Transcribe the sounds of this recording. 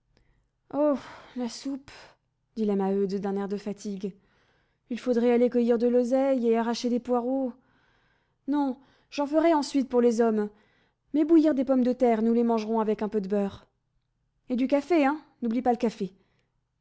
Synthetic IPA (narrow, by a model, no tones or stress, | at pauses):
olasup | d̪̥ilamaød̪d̪ɛ̃nɛʁd̪əfat̪iɡ | ilfod̪ʁɛalekəjiʁd̪əlozɛjeaʁaʃed̪epwaʁo | nɔ̃ | ʒ̥ɑ̃fəʁɛɑ̃sɥit̪̚puʁlezɔmː | ɛbujiʁd̪epɔmd̪ət̪ɛʁnulemɑ̃ʒʁɔ̃avɛkɛ̃pød̪əbœʁ | ed̪ykafeɛ̃ | nublipaləkafe